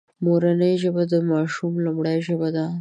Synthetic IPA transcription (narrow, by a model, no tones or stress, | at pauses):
moɾanəjʒəbad̪əmɑʃumlʊmɽajʒəbad̪a